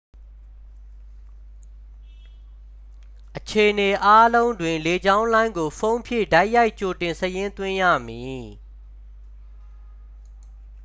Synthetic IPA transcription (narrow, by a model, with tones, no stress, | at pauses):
ʔət͡ɕʰe˨ʔəne˨ʔa˦lõ˦ʊ̃ndwɪ̃˨le˨d͡ʑã˦ʊ̃nlã˦ɪ̃ŋɡo˨pʰõ˦ʊ̃mpʰjɪ̰˦˨da˦ɪʔja˦ɪʔt͡ɕo˨tɪ̃˨nsəjɪ̃˦nt̪wɪ̃˦jä̰˦˨mji˨